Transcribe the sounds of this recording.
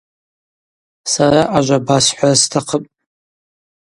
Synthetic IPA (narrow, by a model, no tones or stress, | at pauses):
saraʔaʒʷabasħʷastʰaqʰəpʼ